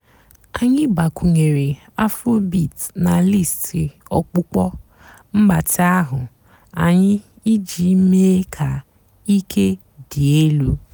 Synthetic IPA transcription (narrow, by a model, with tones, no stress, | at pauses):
a˨ɲɪ˦ba˨kʷu˨ŋe˨ɾe˨ | a˦fɾo˦bi˨tna˨li˦˨stʰi˨ɔ˨k͡pʊ˦k͡pɔ˦ | m̩˦ɡ͡ba˨tɪ˦a˦ɦʊ˨ | a˨ɲɪ˦ | i˦d͡ʒi˨˦me˦kʰa˨ | i˦kʰe˦ | di˨e˦lu˦